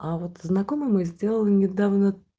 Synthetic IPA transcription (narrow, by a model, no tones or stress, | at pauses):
avot̪znɐko̞mɨjmɨjzʲdʲelˠəlˠnʲɪd̪avnə